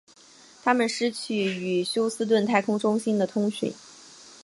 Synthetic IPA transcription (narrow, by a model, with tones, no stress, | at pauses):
t̪ʰa˥mə˨nʂɻ̩˥t͡ɕʰy˥˩y˨˩ɕjo˥ʊsɹ̩˥t̪̬wə˥˩nt̪ʰa˥˧ɪkʰʊ˥ŋʈ͡ʂʊ˥ŋɕi˥nd̪ə˨t̪ʰʊ˥ŋɕḭ˨˩˦